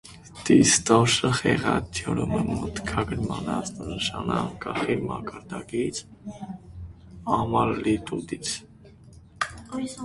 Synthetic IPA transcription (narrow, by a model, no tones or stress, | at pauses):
t̪ist̪ɔʃəχɛʁɑt̪ʰjɔɾuməmət̪kʰɑɡəɾmɑnɑsənəʃɑnɑŋkɑχimɑkɑɾd̪ɑkit͡sʰ | ɑmɑllit̪ut̪it͡sʰ